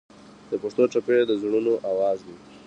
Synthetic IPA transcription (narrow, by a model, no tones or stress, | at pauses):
d̪̥əpaʂt̪oʈ͡ʂaped̪əzɳ̃unoʔawɑzwi